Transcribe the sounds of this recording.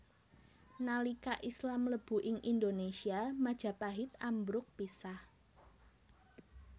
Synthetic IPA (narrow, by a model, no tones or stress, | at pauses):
nalikaʔislamləb̥ṳʔɪŋʔind̪onesiamad̥ʒ̥ä̤paɦɪt̪ambɾʊk̚pisah